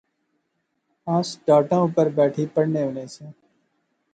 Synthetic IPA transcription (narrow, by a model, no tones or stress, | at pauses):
ãːsɖaːʈãːʊpəɾbɛːʈʰiːpəɽneːɦʊnẽːsẽː